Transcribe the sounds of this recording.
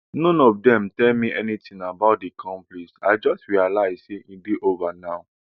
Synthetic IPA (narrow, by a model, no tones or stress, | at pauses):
nɔ̃nɔvdɛ̃mtɛlmĩʔɛ̰nitĩŋabaʊt̚dikʰɔ̃mpliʃa̰ɪd͡ʒɔstɹialaɪzseʔĩdeʔovanaʊ